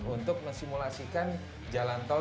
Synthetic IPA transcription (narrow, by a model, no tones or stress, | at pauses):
unt̪ʊk̚məŋsimulasikan | d͡ʒalant̪ɔ